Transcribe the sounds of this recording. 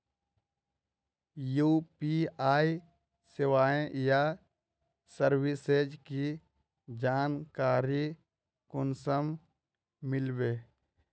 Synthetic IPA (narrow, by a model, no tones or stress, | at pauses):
juːpiaːi | sɪʋaːẽja | səɾwɪsed͡ʒki | d͡ʒaːnkaːɾi | kʊnsəm | mɪlbeː